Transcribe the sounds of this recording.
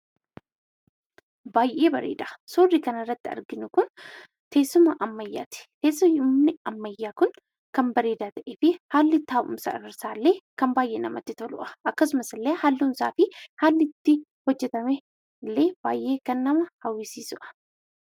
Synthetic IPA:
baːjʔe̞ːbɐɾḛːd̪aːsoːrːiːkɐnɐrːɐt̪ːɪɐ̰ɾɡɪnʊkʊn | t̪ʰe̞ːsːʊmɐʔɐmːɐjːa̰ːt̪ɪ̥t̪eːsːɐjʊnɪɐmːɐjːaːkʊn | kɐmbɐɾe̞ːd̪aːt̪ɐʔeːfɪhaːlːɪt̪ːhaːʔʊ̰msɐɐ̰ɾɐɾsaːlːe̞ːkɐmbaːjʔe̞̰ːnɐmɐt̪ːɪt̪ɔlʊ̰ʔɐ̥ʔɐkːɐsʊmɐsɪlːeːhaːlːuːnsa̰ːfɪhaːlːɪt̪ːɪ | hɔd͡ʒːɛt̪ɐmɛ | lːe̞ːb̥aːjʔe̞ːkɐnːɐmɐhɐwːɪsiːsʊʔɐ̥

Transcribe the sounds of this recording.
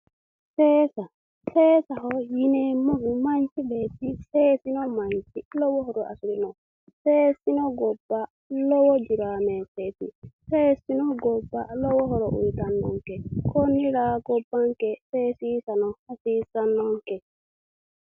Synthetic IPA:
sɛːsa | sɛːsahɔjinɛmoɡimaɲt͡ʃiɓɛtisɛːsinɔmaɲt͡ʃilɔwɔhɔɾɔʔa̰sulinɔ | sesinɔɡɔbːa | lɔwɔd͡ʒiɾamɛsesisɛːsinɔɡɔbːalɔwɔɦɔɾɔʔṵjtanːɔŋkɛkonːiɾaɡɔbːaŋkɛsɛsisanɔhasisanːɔŋkɛ

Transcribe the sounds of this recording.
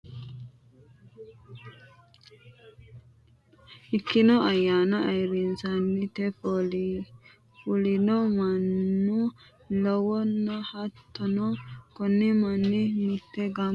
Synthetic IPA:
ʔɪkːɪnɔɐjːaːnɐɐjɾɪnsɐnːɪt̪ɛfɔli | fʊlɪnɔmɐnːʊ | lɔwɔnːɐhɐt̪ːɔnɔkɔnːɪmɐnːɪmɪt̪ːɛɡɐ

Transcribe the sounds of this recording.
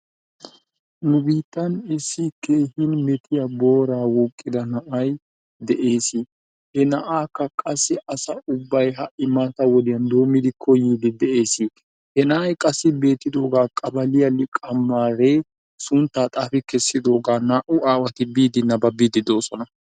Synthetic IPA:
nʊbiːt̪ːɐnɪsːikːeːhɪnmɛt̪ɪjabo̞ːɾaːwʊkʼːɪd̪ɐnɐʔɐj | d̪ɛʔe̞ːsɪ | hɛnɐʔaːkːɐkʼɐsːɪɐsɐʊbːɐjɦɐʔɪmaːt̪ɐwɔd̪ɪjɐnd̪o̞ːmɪd̪ɪkʰɔjiːd̪ɪd̪ɛʔe̞ːsɪ | hɛnɐʔɐjkʼɐsːɪbe̞ːt̪ɪd̪o̞ːɡaːkʼɐbɐlɪjɐlːɪkʼɐmːaːɾe | sʊnt̪ːaːt̪ʼaːfɪkɛsːɪd̪o̞ːɡaːnɐʔʊʔaːwɐt̪ɪbiːd̪ɪnːɐbɐbiːd̪ɪd̪o̞ːsɔnɐ

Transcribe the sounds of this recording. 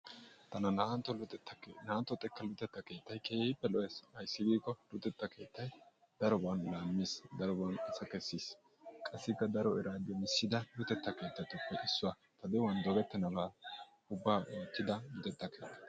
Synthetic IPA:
t̪ɐnɐnaːnt̪ɔlʊt̪ɛt̪ːɐkːnaːnt̪ːɔt̪ʼːɛkːɐlʊt̪ɛt̪ːɐke̞ːt̪ːɐjkeːhɪpːɛlɔʔe̞ːshɐjsːɪɡiːkːɔlʊt̪ɛt̪ːɐke̞ːt̪ːɐj | d̪ɐɾɔbanlaːmːiːsd̪ɐɾɔbanɐsɐkɛsːis | kʼɐsːɪkːɐd̪ɐɾɔɛɾaːɡɛmɪsːɪd̪ɐlʊt̪ɛt̪ːɐke̞ːt̪ːɐt̪ːʊpːɛʔɪsːʊwa | t̪ɐd̪ɛwɐnd̪ɔɡɛt̪ːɐnɐbaː | ʊbːaːʔoːt̪ːɪd̪ɐlʊt̪ɛt̪ːɐke̞ːt̪ːɐ̥

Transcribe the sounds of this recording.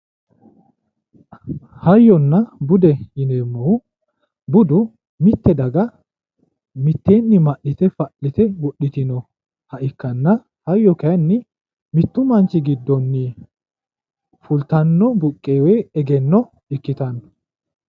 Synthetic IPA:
hɐjːɔnːɐbʊd̪ɛjɪneːmːɐʊ | bʊd̪ʊ | mɪt̪ːɛd̪ɐɡɐ | mɪt̪ːe̞ːnːɪmɐʔːɪt̪ɛfɐʔɪt̪ɛbɔʔːɪt̪ɪnɔ | hɐʔɪkːɐnːɐ | hɐjːɔkɐjɐnːɪ | mɪt̪ːʊmɐnt͡ʃːɪɡɪd̪ːɔnːi | fʊlt̪ɐnːɔbʊkʼːeːweɛɡɛnːɔ | ɪkːɪt̪ɐnːɔ̥

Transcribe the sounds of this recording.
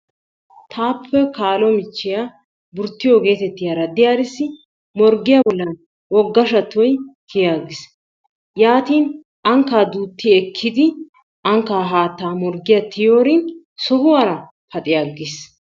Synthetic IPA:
t̪ʰaːpʰːɛkaːlɔmɪt͡ʃːɪja | bʊɾt̪ːɪjoːɡe̞ːt̪ɛt̪ːɪjaɾɐd̪ɪjaːɾɪsːɪ | mɔɾɡɪjabɔlːɐn | wɔɡːɐʃɐt̪ːɔjkʰɪjaːɡɪs | jaːt̪iːn | ʔɐŋkːaːd̪uːt̪ːɪɛkʰːɪd̪ɪ | ʔɐŋkːaːɦaːt̪ːaːmɔɾɡɪjat̪ʰːɪjoːɾɪn | sɔhʊwɐɾɐ | pɐt̪ʼɪjaːɡɪs

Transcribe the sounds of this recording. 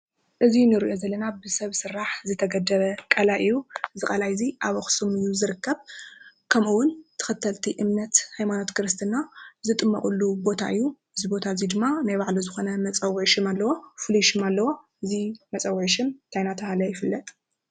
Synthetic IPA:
ʔɨzinɨɾiʔo̞zɐlːɐnabɨsɐβsɨɾːaħzɨt̪ʰɐɡɐd̪ɐβɐkʼɐlaʔɨjːuzɨxʼɐlajziʔaβoxsumɨjːuzɨɾɨkʰːɐβkʰɐmuwʊnt̪ʰɨ̥xɨt̪ʰːɐlt̪ʰiʔɨmnɐt̪hajmano̞t̪kʰɨɾɨst̪ʰɨnazɨt̪ʼɨmːɐ̰χʼulːubo̞t̪ʰa̰ʔɨjːuʔɨzibo̞t̪ʰaɨzid̪ɨmːanajβaʕlizɨxo̞nɐmɐt͡sʼɐwʕʃɪmalːɐwo̞fɨliʃɪmalːɐwo̞ʔɨzimɐt͡sʼɐwʕʃɪmt̪ʰajnat̪ʰɐhalɐjɪfɨlːɐt̪ʼ

